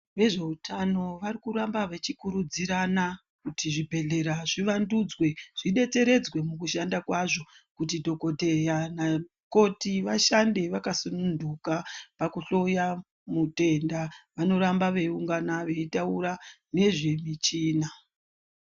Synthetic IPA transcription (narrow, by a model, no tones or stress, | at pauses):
ʋe̞ʐe̞utʰano̞ʋarikuɾambaʋe̞t͡ʃikuɾud͡ziɾana | kutiʐibʱe̞ɮe̞ɾaʐiʋandud͡zwe̞ʐ̥iɗe̞t͡se̞ɾe̞d͡zwe̞mukuʃandakwaʐo̞ | kutidʱo̞ko̞dʱe̞jana | ko̞tiʋaʃande̞ʋakasunundukapakuɬo̞ja | mute̞ndaʋano̞ɾambaʋe̞uŋɡanaʋe̞itauɾane̞ʐimit͡ʃiːna